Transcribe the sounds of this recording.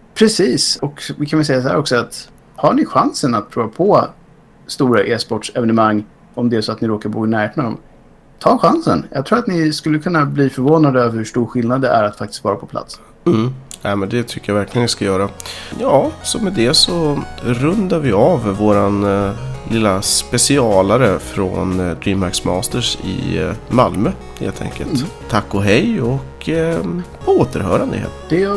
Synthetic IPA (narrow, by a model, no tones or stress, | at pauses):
pʰɾɛsiːsɔkvɪkʰanvɛlsɛjːas̬ɔhæ̰ɾɔksɔat̪ | haɳɪɧansənat̪̚pʰɾuːvapʰɔ | st̪uːɾaʔeːspɔʈʂɛvɛnəmaŋː | ɔmd̪ɛæʂɔat̪nɪɾoːkabuːɡnæːɾeːt̪nad̪ɔ̰m | t̪ʰɑːɧansə̰njʔɑ̰ɡt̪ʰɾuːɾat̪nɪskɵlːəkʰɵnːabliːfœɾvoːnad̪əœvəɾhʉʂʈuːɾɧɪlnad̪əæ̰ɾat̪fak̚t̪ɪ̥st̪vɑːɾapʰɔ̥pʰla̰t̪s | m̩nɛmɛnd̪ɛt̪ʰʏkːəjavæɾklɪɡənɪskajœːɾajɑːsɔmɛd̪ɛsɔɾɵnd̪aɾvɪavːoːɾanlɪlːaspɛsɪɑːlaɾəfɾɔ̰nd̪ɾiːmmæksmɑːst̪əʂɪ̰malmøː | hḛːlt̪ʰɛ̰ŋkə̰lt̪ʰː | akːɔɦɛjɔk | pʰoːt̪ʰəɾɦœ̰ːɾand̪ə̰hḛd̪̥ɛj